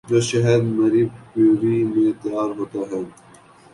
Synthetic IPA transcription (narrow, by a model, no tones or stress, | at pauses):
d̪oʃɐɦəɾmɐɾiːbpoːɾimẽt̪aːɾɦoːt̪aːɦɛ̃n